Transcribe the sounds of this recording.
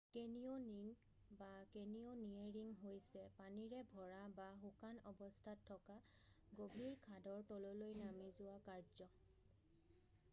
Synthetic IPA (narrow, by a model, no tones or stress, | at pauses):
kenioniŋ | bakenioniaɹiŋɦojsɛpaniɹɛbʱɔɹabaxukanɔbɔstʰatʰːɔka | ɡobʱiɹkʰadɔɹtɔlolojnamizʊwakaɹzɔ